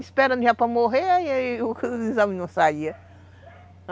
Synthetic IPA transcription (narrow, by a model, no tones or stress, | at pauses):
ispɛɾɐ̃nʒapɾɐmoɦeaiiʊkizɐ̃mɪnɐ̃w̃saiɐ